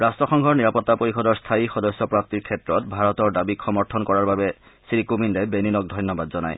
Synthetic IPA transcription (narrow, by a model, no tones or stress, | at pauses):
ɹastɹɔxɔŋɡʱɔɹniɹapɔtːapoɹixɔdɔɹstʰaixɔdɔsːɔpɹap̚tiɹkʰɛtɹɔt̚bʱaɹɔtɔɹdabikxɔmɔɹtʰɔnkɔɹaɹbabɛ | sɹikumindɛbeninɔk̚dʱɔjnɔbadzɔna̰j